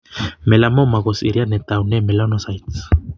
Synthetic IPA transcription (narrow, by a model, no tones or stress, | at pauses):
melamomaɣosḭɾianet̪awnemelonosajt͡s